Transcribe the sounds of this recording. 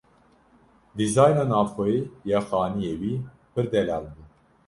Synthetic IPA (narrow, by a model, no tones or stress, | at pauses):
d̪izɑːjnaːnɑːvxoijɑːxɑːnijewiː | pʰɨɾd̪ɛlɑːlbuː